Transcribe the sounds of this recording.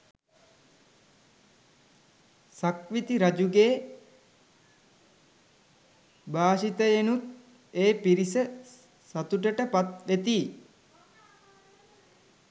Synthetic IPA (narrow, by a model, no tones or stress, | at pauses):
sakʋit̪iɾad͡ʒuɡeː | baːʃit̪əenut̪ | eːpiɾisə | sat̪uʈəʈəpat̪ʋet̪iː